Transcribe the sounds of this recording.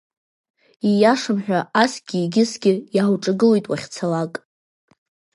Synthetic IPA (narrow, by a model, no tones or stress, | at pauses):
ijaʂɨmħᶣaʔasɡʲiːɡʲɪsɡʲɪjawʈ͡ʂʼaɡɨlojtʼwaχʲt͡sʰalakʼ